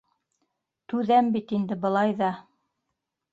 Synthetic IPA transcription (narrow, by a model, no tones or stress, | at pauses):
t̪ʉðæmbit̪ind̪ɘbɤ̆lˠɑjðɑ